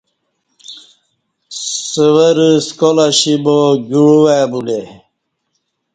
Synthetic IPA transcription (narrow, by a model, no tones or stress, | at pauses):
səwəɾskolaɕiboɡuɽuwebule